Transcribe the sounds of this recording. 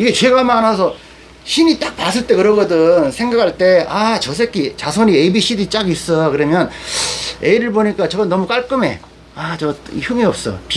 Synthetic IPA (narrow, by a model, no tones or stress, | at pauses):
iɡe̞t͡ɕe̞ɡamanasʰʌ | ɕʰiɲit͈ak̚pasʰɯɭt͈e̞kɯɾʌɡʌdɯnsʰeŋɡakʰaɭt͈e̞at͡ɕʌs̬ʰe̞kʰit͡ɕasʰoɲieibiɕ͈ʰidit͡ɕ͈aɡis͈ʌjokɯɾʌmjʌn | eiɾɯɭboɲik͈at͡ɕʌɡʌnːʌmuk͈aɭk͈ɯme̞ | at͡ɕʌiçuŋiʌp̚s͈ʌ̰p